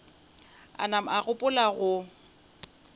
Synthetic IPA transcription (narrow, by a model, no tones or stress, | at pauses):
a̰nam̩aɣʊpʼʊlaɣʊ